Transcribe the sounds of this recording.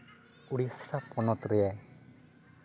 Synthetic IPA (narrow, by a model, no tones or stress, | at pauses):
uɽisapɔnɔt̪ɾiɛ